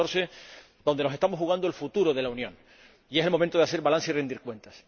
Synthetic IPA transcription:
oɾse | d̪o̞nd̪eno̞set̪amohuɣ̞and̪oelfut̪uɾoðe̞launjõŋ | ieselmomẽnt̪oðease̞ɾβalanseirend̪iɾkwẽ̞nt̪as

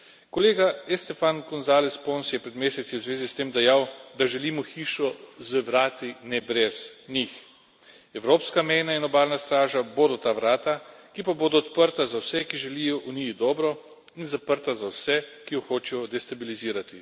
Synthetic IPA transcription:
kɔleːɡaɛst̪ɛfankɔnzaːlɛsponsjɛpɾɛd̪meːsɛt̪siwzʋeːzist̪eːmd̪ɛjaːwd̪aʒɛliːmɔxiːʃɔzəʋɾaːt̪inɛbɾɛz̥nix | ɛwɾoːpskamɛjnainɔbaːlnast̪ɾaːʒaboːd̪ɔt̪aːʋɾaːt̪akipaboːd̪ɔːt̪pəɾt̪azawsɛkiʒɛliːjɔʔuniid̪ɔːbɾɔ | inzapəɾt̪azawsɛkijɔxoːt͡ʃɛjɔd̪ɛst̪abiliziːɾat̪i

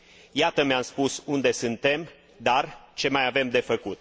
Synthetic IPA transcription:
jat̪əmeamspusund̪e̞sɨnt̪e̞m | d̪art͡ʃe̞majave̞md̪e̞fəkut̪

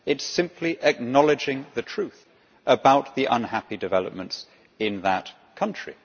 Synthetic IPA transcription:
ɨtsɪ̃mpʰliʔɨk̚nɒlˠɨd͡ʒɪ̃ŋðɨtʰɹ̥ʉθ | ʔəbaʊt̪̚ðiʔʌ̃nɦæpidɨvɛlˠə̰p̚mə̃nts | ɪ̃nðət | kʰʌ̃nt͡ʃɹ̥ḭ

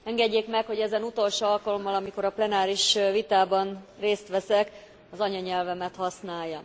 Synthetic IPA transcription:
ɛŋɡɛɟːeːkmɛkho̞ɟɛzɛnut̪o̞lʃoːɒlkɒlo̞mːɒlɒmiko̞ɾɒplɛnaːɾiʃvit̪aːbɒnreːst̪ʋɛsɛk | ɒzɒɲɒɲɛlvɛmɛt̪hɒsnaːjːɒ

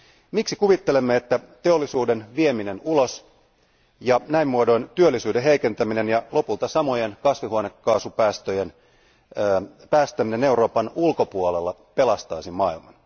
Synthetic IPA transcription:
miksikuʋit̪ːe̞lemːeet̪ːæt̪e̞o̞lːisuːde̞nʋie̞mine̞nulo̞s | jɑnæimːuodo̞jnt̪yølːisyːdeɦejke̞nt̪æmine̞njɑlo̞pult̪ɑsɑmo̞je̞nkɑsʋiɦuone̞kːɑːsupæːst̪øjen | pæːst̪æmine̞ne̞wɾo̞ːpɑnulko̞puole̞lːɑpe̞lɑst̪ɑisimmɑilmɑn

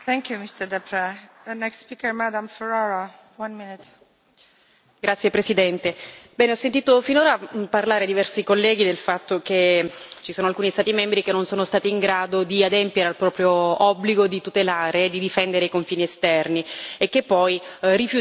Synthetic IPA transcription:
θɛ̃ŋkjumist̪əd̪ɛpɾɛənɛkstspikəɹmad̪ãmfɛɹaɹa | wãnminɪt̪ | ɡɾʔat̪sːjepɾesid̪ɛnt̪ebɛːneɔsːent̪̬iːt̪ofinoːɾaparlaːɾed̪ivɛrsikolːɛːɡid̪elfat̪ːok̟et͡ʃisoːnoalkuːnist̪aːt̪imɛmbɾikenːonsoːnost̪aːt̪iːŋɡɾaːd̪od̪iad̪empjeɾealpɾɔːpɾjoɔbːliɡod̪it̪ut̪elaːɾed̪id̪ifɛnd̪eɾeikoɱfiːniest̪ɛrniekːepːɔjrifju

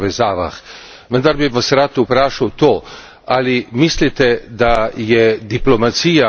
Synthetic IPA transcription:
ʋɛzaːʋa̰x | ʋənd̪aɾbiʋasɾat̪upɾaːʃawt̪oː | alimislit̪ɛd̪ajɛd̪iplɔmat̪siːja

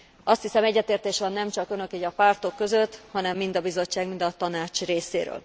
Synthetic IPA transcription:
ʔɒst̪hisɛmɛɟːɛt̪eːrt̪eːʃʋɒnːɛmt͡ʃɒkø̞nø̞kiːɟɒpaːrt̪o̞kːø̞zø̞t̪ːhɒnɛmːind̪ɒbizo̞t͡ʃːaːɡmind̪ɒt̪ɒnaːt͡ʃreːsḛːɾø̰ːl

